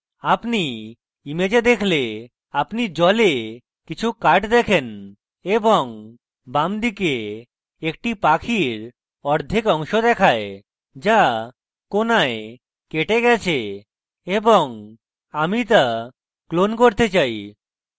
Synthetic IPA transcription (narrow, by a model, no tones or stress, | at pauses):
apni | imed͡ʑed̪ekʰle | apnid͡ʑɔle | kit͡ɕʰukaʈd̪ɛkʰen | eboŋ | bamd̪ike | ek̚ʈipakʰiɾ | ɔɾd̪ʱikɔŋʃod̪ɛkʰae | d͡ʑa | konae | keʈeɡɛt͡ɕʰe | eboŋ | amit̪a | klonkoɾt̪et͡ɕaj